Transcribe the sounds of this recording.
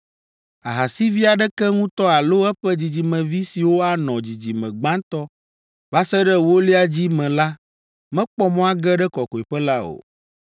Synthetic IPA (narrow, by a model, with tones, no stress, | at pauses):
a˨ɦa˨si˦vi˦a˨ɖɛ˦kɛ˦ŋũ˦t̪ɔ˦a˨lo˦ɛ˦ɸɛ˦d͡ʑi˨d͡ʑi˨mɛ̃˨vi˦si˨wo˦a˨nɔ̃˨d͡ʑi˨d͡ʑi˨mɛ̃˨ɡ͡bã˦nt̪ɔ˦ | va˦sɛ˦ɖɛ˦wo˦li˦a˨d͡ʑi˦mɛ̃˨la˦ | mɛ̃˦k͡pɔ˦mɔ̃˦a˦ɡɛ˦ɖɛ˦kɔ˨kɔ˨i˨ɸɛ˦la˦o̰˨